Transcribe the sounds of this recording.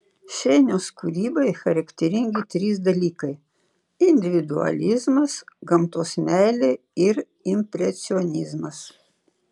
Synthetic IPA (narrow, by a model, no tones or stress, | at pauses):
ʃʲɛɪnʲoːskuɾʲiːbɐɪxɐɾɐkt̪ʲɛɾʲɪŋʲɡʲɪt̪ʲɾʲiːs̬d̪ɐlʲiːkɐɪ | ɪnʲd̪ʲɪʋʲɪd̪ʊɐ̰lʲɪzmɐsɡɐmt̪oːsmʲæɪlʲe | ɪɾ | ɪmʲpʲɾʲɛt̪sʲɪɔnʲɪzmɐs